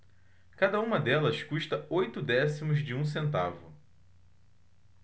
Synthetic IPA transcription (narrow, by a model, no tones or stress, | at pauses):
kad̪ɐũmɐd̪ɛlɐskuʃt̪ɐojt̪ʊd̪ɛsimʊzd͡ʒɪũs̬ẽnt̪avʊ